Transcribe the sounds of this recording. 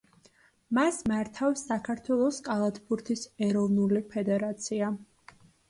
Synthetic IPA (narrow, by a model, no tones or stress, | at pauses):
masmaɾt̪ʰafsːakʰaɾt̪ʰwɛlˠɔskʼalˠat̪ʰbuɾt̪ʰisɛɾɔvnulipʰɛd̪ɛɾat̪sʰia